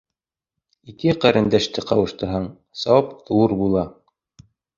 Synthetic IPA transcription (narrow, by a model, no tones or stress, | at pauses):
ikɘqæɾʔɘ̆nd̪æʃt̪ɘqɑwɤ̆ʃt̪ɤ̆ɾɦɤɴ | sɑpðuɾbulˠɑ